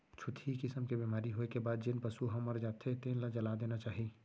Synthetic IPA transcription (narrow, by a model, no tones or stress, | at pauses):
t͡ʃʰʊt̪ʰikɪsəmkebemaːɾiɦoːekebaːd̪̚d͡ʒɪnpəsuɦəmːəɾd͡ʒaːt̪ʰet̪ẽːnlad͡ʒəlad̪eːnat͡ʃaːɦi